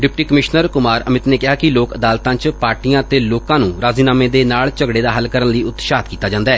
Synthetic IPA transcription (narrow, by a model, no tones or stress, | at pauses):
ɖɪpʈiːkəmɪʃnəɾkʊmaːɾəmɪt̪neːkɪɦaːkɪloːkəd̪aːlt̪ãːt͡ʃpaːɾʈijãːət̪eːloːkãːnũːɾaːziːnaːmẽːd̪eːnaːlt͡ʃəɡɽeːd̪aːɦəlkəɾənləiːʊt̪ʃaːt̪kiːt̪aːd͡ʒãːnd̪aɛː